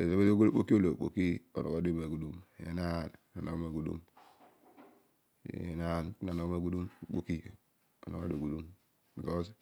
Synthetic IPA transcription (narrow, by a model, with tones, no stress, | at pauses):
ḛ˨ze˦be˦o˦ɡk͡po˦ki˦o˦lo˨k͡po̰˨ki˦o̰˨no̰˨ɡo˦di˦ma˨ɡu˨du˦m˨jḛ˦na˦˨nna˨no̰˦ma˨ɡu˨dṵ˦m˨ | ḛ˨na˦˨n˦na˨no˦ma˨ɡu˦du˦m˨k͡po̰˨ki˦ | o˨no˨ɡo˦do˨ɡu˨du˦m | i˨o˦s